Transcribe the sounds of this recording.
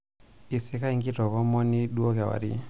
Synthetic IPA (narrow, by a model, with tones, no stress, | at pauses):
i˨si˦ka˦i˦ŋɡi˦tɔ˨ɣɔ˦mɔ˦ni˦ɗu˦ɔ˦ɣa˨wa̰˨ɾḭ˦